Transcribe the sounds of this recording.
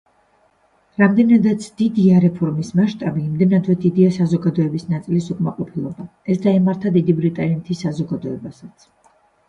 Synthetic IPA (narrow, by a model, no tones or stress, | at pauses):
ɾamd̪ɛnad̪at̪sʰd̪̥id̪iaɾɛpʰɔɾmismaʃt̪ʼabiːmd̪ɛnad̪vwɛd̪id̪iasazɔɡad̪ɔɛbisnat̪sʼilisukʼmaqʼɔpʰilˠɔbaɛsd̪aɛmaɾt̪ʰad̪id̪ibɾit̪ʼanit̪ʰisːazɔɡad̪ɔɛbasat̪sʰ